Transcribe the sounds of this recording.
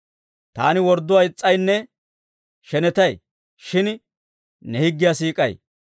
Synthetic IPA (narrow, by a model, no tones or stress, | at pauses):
t̪a̰ːnɪwɔɾd̪ːʊaɪt͡sʼːɐjnːɛ | ʃɛnɛt̪ɐj | ʃɪn | nɛhɪɡːɪjasiːkʼɐ̰j